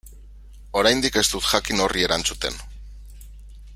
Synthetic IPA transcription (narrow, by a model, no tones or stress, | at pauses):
o̞ɾajnd̪ike̞st̪ut̪xakino̞rie̞ɾant͡sut̪e̞̰n